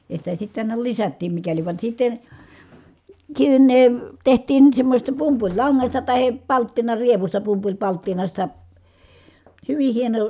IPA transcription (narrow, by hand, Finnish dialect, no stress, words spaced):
jɑ sitæ sitː ɑˑinɑ lisætːiːm mikæliʋ ʋɑn sitːen̞ tsinːeˑ tehtˑiːn semːosʲestɑ pumpulʲlɑŋːɑstɑ tɑhe pɑltːinɑrieʋustɑ pumpulʲpɑltːinɑstɑ hyʋih̆ hieno